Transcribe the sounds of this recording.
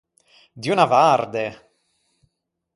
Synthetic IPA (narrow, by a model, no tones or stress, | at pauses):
d̪iunavaɾd̪e